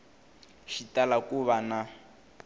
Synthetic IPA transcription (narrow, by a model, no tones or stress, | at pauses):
ʃitalakuβana